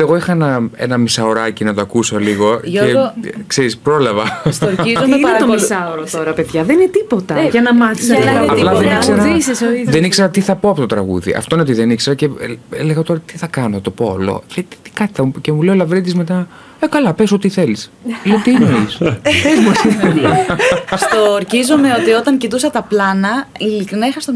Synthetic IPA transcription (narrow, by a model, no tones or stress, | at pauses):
eɣo̞ixɐenɐe̞̰nɐmisɐoɾɐcinɐt̪oɐkusoliɣo̞ekseɾispɾo̞lɐvɐsoizoɐɐt̪omisɐoɾot̪oɾɐpeðʝɐðeninet̪ipo̞t̪ɐʝɐnɐmɐθisɐplɐðenikseɾɐisisoiðenikse̞ɾɐt̪iθɐpoɐpo̞t̪ot̪ɾɐɣṵðḭʔɐ̰ft̪oineo̞t̪iðe̞nikseɾɐce̞eleɣɐt̪o̞ɾɐt̪iθɐkɐnot̪o̞po̞̰lo̰ɐt̪i̥t̪i̥kɐt̪i̥θɐcemuleolɐvɾit̪izme̞t̪ɐ | ekɐlɐpeso̞t̪iθelisleot̪iinoɾisem | st̪oɾçizome̞ot̪io̞t̪ɐŋcit̪usɐt̪ɐplɐnɐilikɾinɐixɐst̪o